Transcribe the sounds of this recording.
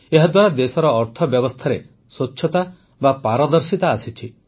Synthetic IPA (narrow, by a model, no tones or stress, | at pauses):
eɦad̪waɾad̪esɔɾɔːɾt̪ʰɔbjɔbɔst̪ʰaɾe | sot͡ʃːʰjɔt̪a | bapaɾɔd̪ɔɾsit̪aːsit͡ʃʰi